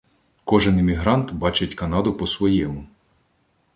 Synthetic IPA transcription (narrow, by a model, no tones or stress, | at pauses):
kɔʒɪnɪmʲiɦɾɑnt̪bɑt͡ʃɪtʲkɐnɑd̪ʊpɔsʋɔjɛmʊ